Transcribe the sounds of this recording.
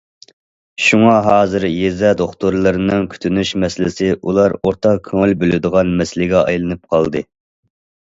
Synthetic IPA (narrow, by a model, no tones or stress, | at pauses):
ʃuŋɑɦɑːzɨɾjezɛd̪oχt̪oɾlˠɨɾɨnɨŋkʲʰy̥t̪ʰynyʃmɛsɪlɪsɪʔulˠɑɾoɾt̪ʰɑqkʲʰøŋylbølɪd̪əʁɑnmɛsɪlɪɡʲɛɑ̰jlˠɨnɨp̚qʰɑlˠd̪ɨ